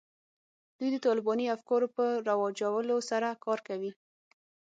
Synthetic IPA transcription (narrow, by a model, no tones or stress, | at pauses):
d̪̥ujd̪ət̪ɑlɪbɑniafkɑɾopəɾawɑd͡ʒawəlosaɾakɑɾkawi